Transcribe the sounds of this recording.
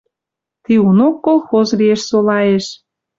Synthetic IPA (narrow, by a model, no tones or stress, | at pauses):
t̪iunokːolˠxozlieʃsolɑeʃ